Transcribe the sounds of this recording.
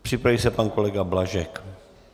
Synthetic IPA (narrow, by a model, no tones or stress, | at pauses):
pr̥ɪpɾavisɛpanko̞lɛɡablaʒɛk